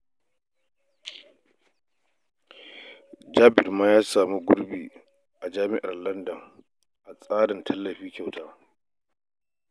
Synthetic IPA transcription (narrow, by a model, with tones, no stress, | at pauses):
d͡ʒaː˦bɪ˨rmaː˦jaː˦saː˨mu˦ɡʷʊ˦ɾbiː˨ | ʔa˨d͡ʒaː˦mɪ˦ʔa˨rlɐ˦ndɐ˨ŋ | ʔa˨sʼaː˦dɐ˨ntʰɐ˦lːɐ˨ɸiː˦kʲa˨wtaː˦